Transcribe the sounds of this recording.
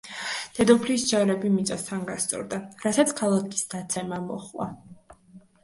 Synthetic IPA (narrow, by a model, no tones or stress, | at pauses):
d̪̥ɛd̪ɔpʰliːsd͡ʒaɾɛbimit̪sʼast̪ʰanɡast̪sʼɔ̰ɾd̪aɾasat̪sʰkʰalˠakʰi̥sd̪̥at̪sʰɛmamɔ̰χlˠa̰